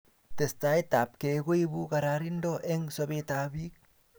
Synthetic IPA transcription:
te˨sta˦i˦ta˨p̚ke˨ɡo˦i˦bu˦ka˨ɾaɾi˦ndo˦ʔe˦ŋsa˦βe˦ta˦bi˦k̚

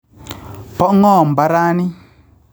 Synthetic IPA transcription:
pɔ˦ŋɔ˦˨m̩˨ba˦ɾaː˦ni˦

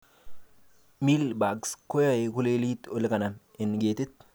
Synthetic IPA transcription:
mi˦lba˨ɡsko˦ja˦˨e˨kʊ˦le˦li˦t̪ʊ˦lkɐ˨na˨m | ɪ˨nɡeː˨t̪ɪ˦t̪̚

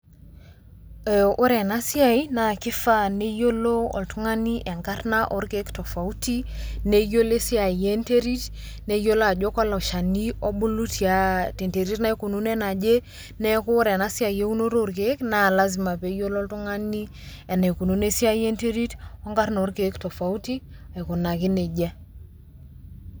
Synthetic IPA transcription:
ɛ˨u˦ɾɛ˨na˦si˦a˦˨jna˨ki˦fa˦ne˦jo˦lo˦ɔ̰˨ltu˦ŋa˦ni˦ʔɛ˨ŋɡa˦rna˦ʔo˦ɾke˦ktɔ˨fa˨u˦ti˦ne˦jo˦le˦si˦a˨je˦nte˦ɾi˦t | ne˦jo˦la˨d͡ʒo˦ka˦la˨ʃa˨ni˦ɔ˦ɓu˦lu˦tʰi˨a˨ti˨nte˨ɾi˦tna˦i˦ku˨nu˦nɛ˦na˨d͡ʒe˦ | nɛ˦kʊ˦ɾɛ˨na˦si˦a˨je˦u˦no˦ɾo˦˨ɾk̬e˨˦kna˦˨la˦zi˨ma˨pe˨˦jo˦lɔ˦ltu˦ŋa˦ni˦ | ɛ˨ne˨ku˨nu˨˦ne˦si˦a˦je˦nte˦ɾi˦tɔ˦ŋɡa˦ɾn˨o˨˦ɾke˨˦kto˨fa˨u˦ti˦ | a˨i˨ku˨na˨ki˦ne˨d͡ʒɛ˦

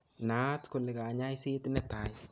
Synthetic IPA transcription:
na˦tkʊ˨lɪ˨ka˨ɲa˦jse˦tnɛ˦ta˨j

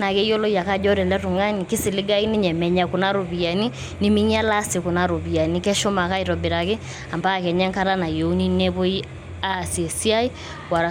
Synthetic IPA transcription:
na˨ɣe˦i˦ɔ˦lɔ˦ja˨ka˦d͡ʒɔ˦ɾɛ˨lɛ˦tu˨ŋa˦ni˨ke˦sɪ˨lɪ˦ɡa˦i˦nɪ˦ɲɛ˨mɛ˨ɲa˨ko˨na˦ɾo˨βi˨a˨ni˦ | nɪ˨mi˦ɲ˦a˦la˦se˨ko˨na˨ɾo˨βi˨a˨ni˦kɛ˦ʃɔ˦ma˨ka˦i˨ɾɔ˨be˨ɾa˨ke˦ | a˨mba˦˨kɛ˨ɲɛ˦ŋka˦ɾa˦na˨jo˦ni˦ne˦βo˦i˦ | a˦sɛ˨si˦a˦i˦ | wa˨

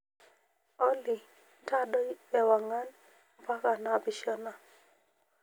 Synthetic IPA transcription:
ɔ˦li˨ | ta˦dɔ˦ɛ˨wa˨ŋa˦n˨ | pa˦ka˨na˨bi˨ʃɔ˦na˨

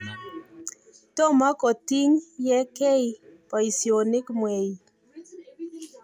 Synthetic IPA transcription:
tɔ˦˨ma˦kɔ˨ti˦ŋjɛ˦kɛ˦jpa˨i˨sio˨nɪ˦kmwɛ˨ji˨

